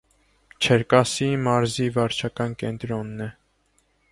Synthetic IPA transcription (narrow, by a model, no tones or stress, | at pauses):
t͡ʃʰəɾkɑsimɑɾzivɑɾt͡ʃʰɑkɑnkɛnt̪ɾɔnːɛ